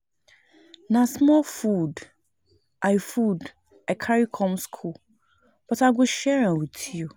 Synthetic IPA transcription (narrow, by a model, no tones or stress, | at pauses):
nãsmɔlfud | ʔajfud | akʰaɾikʰɔ̃mskʰu | b̥ɔtaɡʊʃɛɹãwutʰio